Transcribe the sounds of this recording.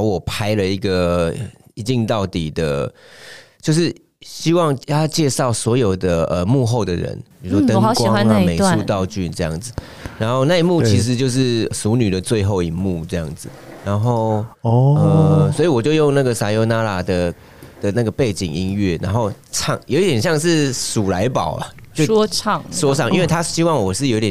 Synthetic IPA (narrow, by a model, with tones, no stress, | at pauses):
ɔ˧˦wɔ˨˩pʰa˥ɪlə˨i˧˥ɡə˨ | i˧˥t͡ɕi˥˧ŋt̪ɑ˥˩ʊt̪i˨˩d̪ə̰˦ | t͡ɕjo˥˧ʊʂ̬ɻ̩˥˩ | ɕi˥wɑ˥˧ŋ˥t͡ɕjɛ˥˧ʂɑ˥˩ʊswɔ˧˥jo˨˩ʊd̪ə˨ə˨mu˥˧xo˥˩ʊd̪ə˩ɻə̰˧˦nppi˨˩u˦ʂwɔ˥t̪ə˦˨˧ŋ˨˦kwa˨˦xa˦ŋa˨me˨˩ɪʂu˥˧t̪ɑ˥˧ʊt͡ɕy˥˨nʈ͡ʂɤ˥˧jɑ̰˥˩ŋd͡z̩˨˩ | ɻa˧˥nxo˥˧ʊna˥˧i˨mu˥˧t͡ɕʰi˧˥ʂ̬ɻ̩˧˥t͡ɕjo˥˧ʊʂ̬ɻ̩˥˩su˧˥ny˨˩d̪ə˩t͡swe˥˧ɪxo˥˩ʊi˨˩ŋmu˥˧ʈ͡ʂɤ˥˧jɑ̰˥˩ŋd͡z̩˨˩ɻa˧˦nxo˥˩ʊɔ˧ə˩swɔ˧˥i˨˩wɔ˨˩t͡ɕjo˥˧ʊjo˥˧ŋna˥˩ɡə˩sa˧jo˧˥ʊna˥la˨˩d̪ə˨ | d̪̥ə˨na˥˩ɡə˩pe˥˩ɪt͡ɕḭ˨˩ŋi˥nɥɛ˥˩na˧˥nxo˥˧ʊ | ʈ͡ʂʰɑ̰˥˩ŋjo˧˥ʊ˦t̪jɛ˨nɕjɑ˥˧ŋʂɻ̩˥˩su˨˩la˧˥ɪpɑ˨˩ʊɐ̰˨t͡ɕjo˥˧ʊɔ˥t͡sʰɑ˥˩ŋswɔ˥ɑ˥˩ŋi˥nwe˥˩ɪt̪ʰa˥ɕi˥wɑ˥˩ŋwɔ˨˩ʂɻ̩˥˩jo˧˥ʊi˧t̪jɛ˨˩